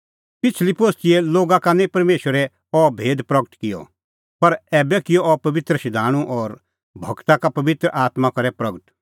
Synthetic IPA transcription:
pɪt͡sʰlipoːst̪ɪɛloːɡakanɛ̃pɐɾmeːʃwəɾɛ | ɔbʱeːd̪pɾɐɡəʈkɪjɔ̰ | pɐɾɛːbɛkɪjɔɔpɐʋɪt̪ɾəʃɪd̪ʱaːɽ̃ũʔɔːɾ | bʱɐɡt̪akapɐʋɪt̪ɾəʔaːt̪makɐɾɛpɾɐɡəʈ

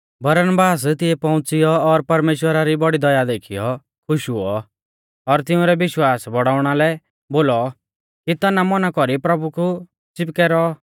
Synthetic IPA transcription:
bɐɾənbaːs̬t̪ɪɛpɔ̃ʊ̃t͡sɪjɔːɾpɐɾmeːʃwəɾaɾibɔɽid̪ɔjad̪eːkʰijɔ | kʰʊʃɦuɔ | ɔɾt̪ɪũɾɛbɪʃwaːsbɔɽaːʊɽ̃alɛ | boːlɔ | kit̪ɐnamɔnakɔɾipɾɐbuku | t͡sɪp̚kɛːɾɔ

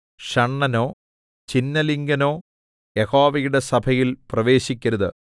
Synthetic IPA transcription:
ʂɐɳːɐnoː | t͡ɕinːɐliŋɡɐno̞ː | jeho̞ːʋɐjuɽe̞sɐbʱɐjilprɐʋe̞ːɕikʲːɐɾɐðɨ

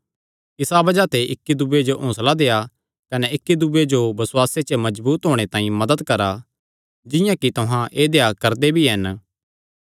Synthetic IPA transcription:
kɪsabɐd͡ʒat̪eʔɪkːid̪ʊbed͡ʒoʔõːslad̪eːja | kɐnɛɪkːid̪ubed͡ʒobɐsʊwaːset͡ʃəmɐd͡ʒbuːt̪ɦoːɽ̃et̪ãːĩmɐd̪əd̪kɐɾa | d͡ʒɪjãkit̪ʊɦãʔeːd̪eːjakɐɾd̪ebʱiɦɐn

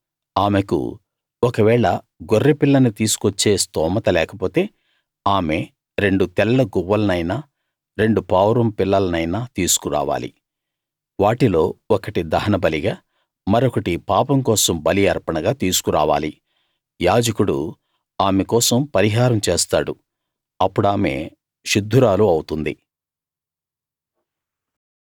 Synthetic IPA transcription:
aːmekṵ | ɔkɐʋɛːɭɐ | ɡorːepilːɐnut̪iːsu̥kot͡ʃːe̞ːst̪ɔːmɐt̪ɐlɛːkɐpo̞ːt̪e̞ː | aːme̞ | ɾe̞ɳɖut̪ɛlːɐɡuʋːɐlɐnɐjnaː | ɾe̞ɳɖupaːwɾɐmpilːɐlɐnɐjnaːt̪iːsu̥kuɾa̰ːʋa̰ːlḭ | ʋaːʈilo̞ːɔkɐʈid̪ɐɦɐnɐbɐliɡaː | mɐɾokɐʈipaːpɐmkɔːsɐmbɐliɐɾpɐɳɐɡaːt̪iːsu̥kuɾa̰ːʋa̰ːli | jaːd͡ʒɐkuɽṵ | aːmekɔːsɐmpɐɾiɦaːɾɐmt͡ʃeːst̪a̰ːɽu | ɐpːuɽaːme̞̰ː | ʃud̪ʱːuɾaːluɐwut̪und̪ḭ

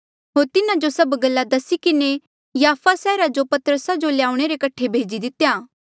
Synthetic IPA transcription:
ɦoːɾt̪ɪnad͡ʒosɐbɡɐlːad̪ɐsikɪne | jaːfʰasɛːɾad͡ʒopɐt̪əɾəsad͡ʒolejaːʊuɽ̃eɾekɐʈʰːebʱeːd͡ʒid̪ɪt̪jaː

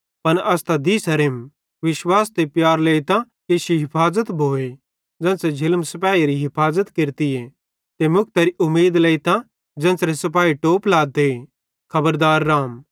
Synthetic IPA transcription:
pɐnɐst̪ad̪iːsɐɾem | ʋɪʃwaːst̪epjaːɾleːɪt̪ã | keːʃiɦɪpʰaːzət̪bʱoːe | d͡ʒɛ̃ːnsed͡ʒʱɪlmsɐpaːiɾiɦɪpʰaːzət̪kɪɾt̪ɪje | t̪emʊk̚ʰt̪ɐɾiʔʊmːeːd̪leːt̪ã | d͡ʒɛ̃ːnsɾesɐpaːiʈoːplaːd̪e | kʰɐbəɾd̪aːɾːaːm

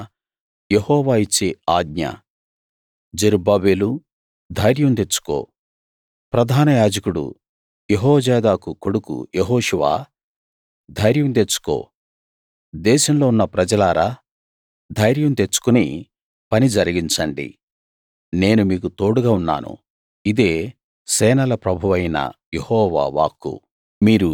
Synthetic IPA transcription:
jehɔːʋaːit͡ʃːeaːɡ̚ɲɐ̰ | d͡ʒeɾubaːbeːlu | d̪ʱɐjɾjɐmt̪̬e̞t͡ʃːu̥ko̞̰ː | pɾɐd̪ʱaːnɐjaːd͡ʒɐkuɽṵ | jeɦɔːd͡ʒɛːd̪aːkukoɽukṵjeɦɔːʂuʋa̰ː | d̪ʱɐjɾjɐmt̪et͡ʃːu̥ko̞̰ː | d̪ɛːʃɐmlo̞ːunːɐpɾɐd͡ʒɐlaːɾaː | d̪ʱɐjɾjɐmt̪et͡ʃːu̥kuni | pɐnid͡ʒɐɾiɡiɲt͡ʃɐɳɖḭ | ne̞ːnumiːkut̪o̞ːɽuɡaːunːa̰ːnṵ | id̪e̞ː | sɛːnɐlɐpɾɐbʱuʋɐjnɐ̰jehɔːʋa̰ːʋa̰ːkːṵ | miːɾu

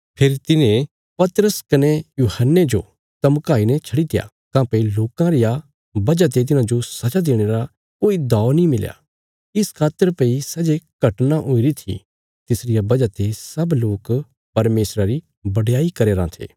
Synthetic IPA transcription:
pʰɪɾit̪ɪnẽ | pɐt̪əɾəskɐnejuːhənːed͡ʒo̰ | t̪ɐmkaːinɛt͡ʃʰɐɽit̪ɪja̰ː | kãːpeiloːkãɾɪja | bɐd͡ʒat̪̬et̪̬ɪnãd͡ʒosɐt͡ʃad̪eːɽ̃eːɾa | koːid̪ɔːnĩmɪlja̰ | ɪskʰaːt̪əɾpeisɐd͡ʒekɐʈnaʔoːiɾit̪ʰḭ | t̪ɪsɾɪjabɐd͡ʒat̪esɐbloːk | pɐɾmeːsɾaɾi | bɐɽjaːikɐɾeːɾã̰t̪ʰḛː

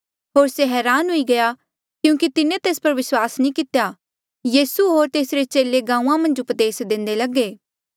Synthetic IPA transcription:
ɦoːɾseɦɛːɾaːnɦʊiɡɐja | kjũːkit̪ɪnẽt̪eːspɐɾʋɪswaːsnĩkɪt̪ja | jiːsuɦoːɾt̪eːsɾet͡ʃeːleɡãːũːãmɐ̃nd͡ʒʊpd̪eːsd̪ẽːnd̪elɐɡeː

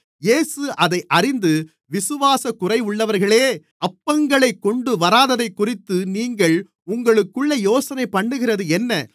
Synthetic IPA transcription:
jeːsɯʔɐðɐɪʔɐrɪnd̪ɯ | ʋɪsɯʋaːsɐkʊrɐɪʊɭːɐʋɐɾɣɐɭeː | ɐpːɐŋɡɐɭɐɪkːɔɳɖɯʋɐɾaːðɐðɐɪkːʊrɪt̪ːɯniːŋɡɐɭ | ʊŋɡɐɭɯkːɯɭːɐjoːsɐnɐɪpːɐɳːɯɣɪrɐðɯɛnːɐ

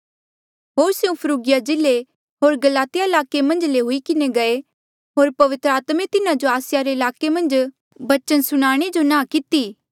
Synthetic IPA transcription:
ɦoːɾsjũpʰəɾuːɡɪjad͡ʒɪle | ɦoːɾɡɐlaːt̪ɪjaɪlaːkemɐ̃nd͡ʒleɦʊikɪneɡɐe | ɦoːɾpɐʋɪt̪ɾəaːt̪mẽt̪ɪnad͡ʒoaːsɪjaɾeɪlaːkemɐ̃nd͡ʒ | bɐt͡ʃənsʊɽ̃aːɽ̃ed͡ʒonãːkɪt̪iː

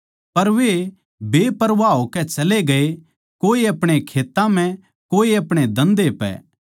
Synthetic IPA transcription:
pɐɾʋe | beːpɐɾʋaːɦokɛt͡ʃɐleɡɐe | koːiɐpɽ̃ekʰeːt̪ːãm̤ɛ̃ | koːiɐpɽ̃ed̪ɐ̃nd̪epɛ̰

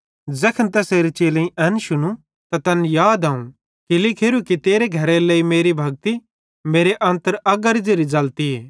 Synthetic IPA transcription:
zɐkʰənt̪ɛseːɾet͡ʃeːlẽĩʔɐnʃʊnũ | t̪at̪ɐnjaːd̪aːũ | kilɪkʰeːɾukit̪eːɾeɡʱɐɾeleːimeːɾibʱɐɡ̚t̪i | meːɾeʔɐ̃nt̪əɾɐɡɐɾd͡ʒeɾid͡ʒɐlt̪ieː

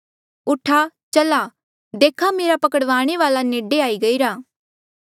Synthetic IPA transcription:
ʊʈʰat͡ʃɐla | d̪eːkʰameːɾapɐkəɽʋaːɽ̃eʋaːlaneːɖeaːiɡɐiɾaː

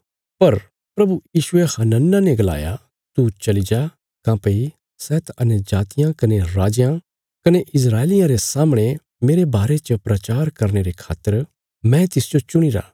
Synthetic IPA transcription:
pɐɾ | pɾɐbujiːʃʊehaːnə̃nːaneɡɐla̰ːja̰ | t̪ut͡ʃɐlid͡ʒa | kãːpei | sɛːt̪ʰɐnɛd͡ʒaːt̪ɪjãkɐneɾaːd͡ʒjã | kɐneʔɪs̬ɾaːelɪjãɾesaːmɽ̃e | meːɾebaːɾet͡ʃəpɾɐt͡ʃaːɾkɐɾɽ̃eɾekʰa̰ːt̪ːəɾ | mɛ̃t̪ɪsd͡ʒot͡ʃʊɽ̃iɾa̰ː

